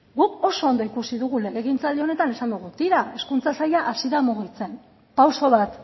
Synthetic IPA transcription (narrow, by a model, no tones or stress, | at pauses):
ɡuko̞so̞ːnd̪o̞ikusiðuɣuleɣeɣint͡sald̪eo̞ne̞t̪ane̞sand̪uɣut̪iɾae̞skunt͡sasajaʔasiðamuɣ̞it͡se̞n | pawso̞β̞at̪